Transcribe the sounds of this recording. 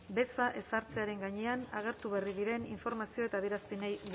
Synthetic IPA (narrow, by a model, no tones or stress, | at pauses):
be̞saʔe̞saɾt͡se̞aɾe̞ŋɡaɲe̞anaɣ̞e̞ɾt̪uβe̞riðiɾe̞niɱfo̞ɾmasio̞e̞t̪aːðjeɾaspenej